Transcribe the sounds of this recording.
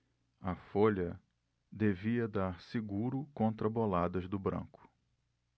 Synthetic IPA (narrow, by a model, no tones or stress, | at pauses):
ɐfoʎɐ | d̪eviɐd̪aɾsiɡuɾʊkõnt̪ɾɐbolad̪ɐzd̪ʊbɾɐ̰̃ŋkʊ̥